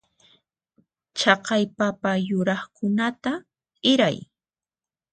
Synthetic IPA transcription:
t͡ʃɑqɑjpapajʊɾɑχkʊnat̪a | ɪɾa̰j

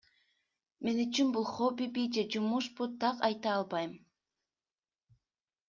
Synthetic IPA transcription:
me̞nyt͡ʃynbulˠχobibid͡ʒed͡ʒumuʃbut̪ʰɑqɑjt̪ɑɑlˠbɑjm

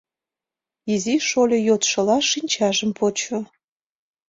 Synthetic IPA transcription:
iziʃolʲejot̪ʃə̆lɑʃinʲt͡ɕɑʒəmpʰot͡ɕo

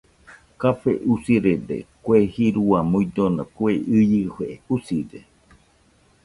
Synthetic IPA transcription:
kapḛʔusiɾed̪ḛkʷehiɾuamujd̪onakweɨjɨheʔeusiɾe

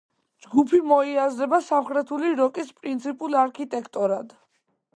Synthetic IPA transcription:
d͡ʒɡupʰimɔiazɾɛbasamχɾɛt̪ʰuliɾɔkʼispʼɾint̪sʰipʼulaɾkʰit̪ʼɛkʰt̪ʼɔɾad̪̥

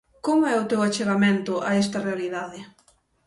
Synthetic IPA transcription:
koŋɛʊt̪ewat͡ʃeɣament̪ʊʔaɛs̬t̪ɐrealiðaðɪ

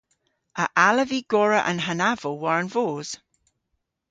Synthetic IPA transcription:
əʔaləviɡ̥ɔɹəʔə̰̃nɦanavowaɹənvoːz̥

